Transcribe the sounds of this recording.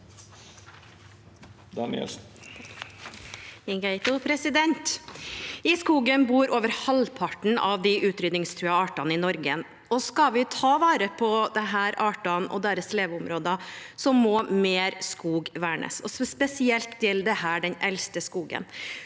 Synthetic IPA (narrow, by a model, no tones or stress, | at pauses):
d̪ɑnɪɛ̰ | ɪŋɡæɪt̪ʊpʰɾɛsɪd̪ɛnt̪ | ɪskuːɡənbuːɾoːʋəɾhɑlpʰɑʈɳ̩ɑ̰ʋd̪ɪʔʉːt̪ɾʏd̪nɪŋst̪ʰɾʉːɑɑːʈɑnəɪnɔɾɡən | ɔskɑʋɪt̪ʰɑːʋɑːɾəpʰɔd̪ɛɦæːɾɑːʈɑnɔ̰d̪æːɾəsleːʋʊmɾoːd̪ɑsɔmːɔːmeːɾskuːɡʋæːɳə̰sɔsspɛsɪɛlt̪ʰːɪld̪ɛhæːɖɛnɛlst̪əskuːɡə̰n